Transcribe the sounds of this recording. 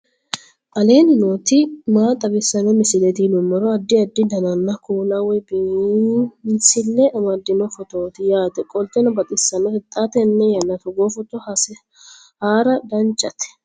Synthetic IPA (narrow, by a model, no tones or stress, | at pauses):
ʔɐle̞ːnɪnoːt̪ɪmaːt̪ʼːɐɡɪsːɐnɛmɪsɪlɛt̪ɪlʊmːɔɾɔɐd̪ːɪɐd̪ːɪd̪ɐnɐnːɐkuːnɐwɛb | msɪlːɛʔɐmɐd̪ːɪnɔfɔt̪oːt̪ɪjaːt̪ɛkʼɔlt̪ːɛnɐbɐt̪ʼɪsːɐnɛhɛt̪ʼːat̪ɛnːɛjɐnːɐt̪ɔɡoːfɔt̪ːɔ | haːɾɐd̪ɐnt͡ʃʼɐt̪ɛ̥